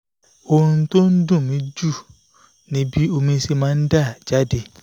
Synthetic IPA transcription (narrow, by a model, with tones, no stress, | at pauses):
o˧ɾ̃ũ˧to˦n̩˦dũ˦˨mĩ˨˦d͡ʒu˦˨ | nĩ˨˦bi˦o˧mĩ˧si˧mãː˦n̩˦da˦˨d͡ʒa˦de˧